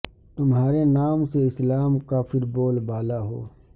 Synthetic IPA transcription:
t̪ʊmɦaːɾenaːmseɪslaːmkaːfɪɾboːlbaːlaɦo̰ː

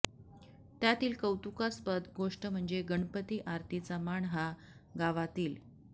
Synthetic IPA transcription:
t̪jat̪iːlkəwt̪ukaspəd̪ɡoʂʈəm̤əɳd͡zeɡəɳpət̪iːʔaɾt̪ʰit͡samaɳɦa | ɡaʋat̪iːl

